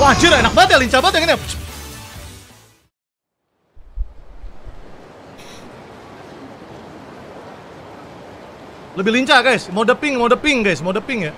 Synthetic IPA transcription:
wad͡ʒɪɾenak̚bat̪jliɲt͡ʃabat̪aŋinapt͡ʃ | ləbɪihliɲt͡ʃaɡajsmodəpɪŋmadəpɪŋɡajsmadəpɪŋja

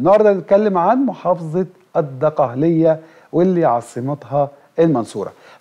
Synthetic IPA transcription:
nɑʕɾd̪ɑnet̪̚kælːɪmʕanmʊħɑːfɑzˤɑ | ʔɑd̪ːɑqɑhlɪjːæ | wɪlːiːʕɑsˤːɨmɑt̪ˤɦɑ | ʔɪlmɑnsuːɾˤɑ̰

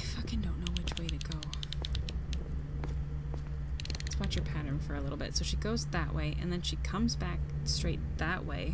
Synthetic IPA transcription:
fʌkɨ̃ndõʊ̃nːoʊwɨt͡ʃweɪɾɨɡoʊ | ɨtsw̥ɑt͡ʃə˞pʰæɾə̃˞nfə˞ɨlɪɾl̩ˠbɪ̰tsoʊʃiɡoʊzðɨʔweɪʔɨ̰̃nðɨ̃nʃikʰʌ̃mzbæk̚stɹ̥eɪt̪̚ðəʔwḛɪ

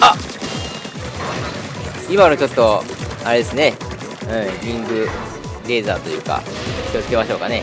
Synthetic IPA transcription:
a | imaɾot͡ɕo̞t̪ːo̞aɾe̞d̪e̞sɨne̞ | ɯ̟̃ɾʲĩŋɡɯ̟ | ɾe̞ːzaːt̪o̞jɯ̟ːka̰ost̪e̞maɕo̞ːkane̞

